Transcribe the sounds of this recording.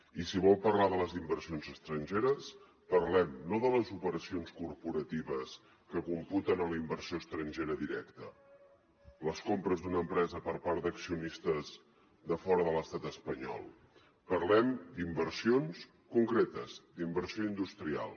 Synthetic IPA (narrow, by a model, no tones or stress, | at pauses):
isiβɔlˠpərlaðələzimbərsionzəst̪ɾənʲʒeɾəs | pəɾlɛmnoðələzupəɾəsionskuɾpuɾət̪iβəs | kəkumput̪ənələimbəɾsioəst̪ɾənʲʒeɾəðiɾɛkt̪ə | ləskompɾəzd̪unəːmpɾɛzəpəɾpaɾd̪əksiunist̪əz | ðəfɔɾəðələst̪at̪əspəɲɔ̰lˠ | pəɾlɛmd̪imbərsions | kuŋkɾet̪əzd̪imbərsioind̪ust̪ɾia̰lˠ